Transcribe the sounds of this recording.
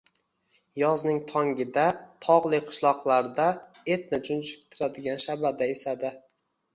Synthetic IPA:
jɒznɪŋt̪ʰɒŋɡʲɪd̪at̪ʰɒʁlˠɪjqʰʊ̥ʃlˠɒqlˠaɾd̪a | e̞t̪̚nɪd͡ʒʊnd͡ʒɪk̚ʲt̪ʰɪɾad̪ɪɡʲanʃabad̪aesad̪ɪ

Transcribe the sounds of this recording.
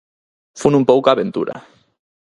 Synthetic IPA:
funumpowkaβent̪ṵɾa̰

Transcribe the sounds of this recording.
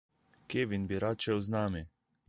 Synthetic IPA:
keːʋinbiɾaːt͡ʃɛwznaːmi

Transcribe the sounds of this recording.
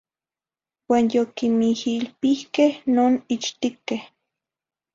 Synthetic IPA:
waːnjokimihilpihkehnoːnit͡ʃt̪ikeh

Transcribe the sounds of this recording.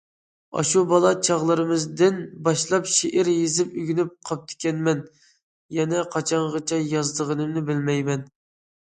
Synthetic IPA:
ɑ̰ʃubɑlˠɑt͡ʃʰɑʁlˠɨɾɨmɨzd̪ɪnbɑʃlˠɑpʃeʔɪɾjezɪpyɡʲynyp̚qʰɑp̚t̪ʰɪ̥kʲɛnmɛn | jɛnɛqʰɑt͡ʃʰɑɴʁɑt͡ʃʰɛjɑzd̪əʁənɨmnɨbɪlmɛjmɛn

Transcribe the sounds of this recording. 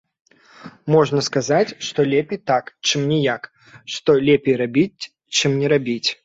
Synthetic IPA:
mɔʐnɐskazat͡sʲʂt̪ɔlʲɛpʲejt̪akt͡ʂɨmnʲɛjak | ʂt̪ɔlʲɛpʲejrabʲit͡sʲ | t͡ʂɨmnʲɛɾabʲit͡sʲ

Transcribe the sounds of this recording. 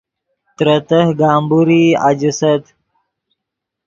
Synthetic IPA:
t̪ɾət̪əhɡaːmbuɾiːa̰d͡ʒəsət̪

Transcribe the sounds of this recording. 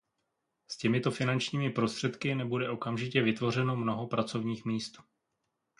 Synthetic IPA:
scɛmɪt̪o̞fɪnant͡ʃɲiːmɪpɾo̞st̪r̝̥ɛt̪kɪnɛbudɛʔo̞kamʒɪcɛvɪt̪vo̞r̝ɛnomno̞ɦo̞pɾat͡so̞vɲiːxmiːst̪

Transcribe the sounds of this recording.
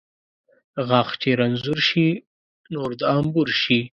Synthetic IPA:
ɣɑxt͡ʃeɾanzuɾʃi | noɾd̪ɑmbuɾʃi

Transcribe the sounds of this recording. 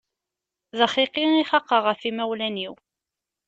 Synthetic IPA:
ðɑχiqiniχɑqːəʁəfimæwlæniw

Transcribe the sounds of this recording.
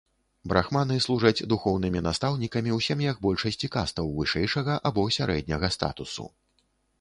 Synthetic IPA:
bɾʔa̰xmanɨslˠuʐɐd͡zʲd̪uxɔwnɨmʲinast̪awnʲikɐmʲiuwsʲamʲjaɡ̚bɔlʲʂɐsʲt͡sʲikast̪ɐwvɨʂɛjʂɐɣɐʔabɔsʲaɾʔɛ̰d̪̚ʲnʲɐɣɐst̪a̰t̪usṵ

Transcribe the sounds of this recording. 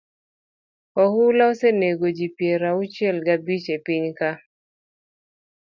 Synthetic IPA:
kɔhulaɔseneɡod͡ʒipjɛɾaut͡ʃɛlɡabit͡ʃepiɲka

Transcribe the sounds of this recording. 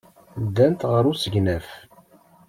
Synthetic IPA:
d̪ːænt̪ʁəɾˤusəʝnæf

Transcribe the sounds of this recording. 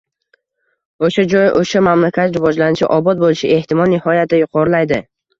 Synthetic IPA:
oʃad͡ʒɒjʔoʃamamlakʲʰat̪ɾɪvɒd͡ʒlanɪt͡ʃʰɪ̰ʔɒbɒt̪̚bolɪʃɪʔe̞ht̪ʰɪmɒlˠnɪhɒjat̪̚ɪjʊqʰɒɾɪlajd̪ɪ

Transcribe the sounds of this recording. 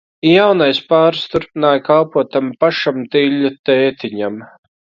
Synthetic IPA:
jawnajspaːɾst̪uɾpinaːjkalˠpuɔt̪ampaʃamt̪iʎʲːut̪eːt̪iɲam

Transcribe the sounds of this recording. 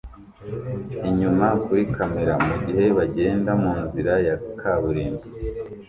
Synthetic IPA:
iɲumakuɾikʰameɾamuɟihe̞βaɟe̞ːndamuːnziɾajakʰaβuɾiːnbi

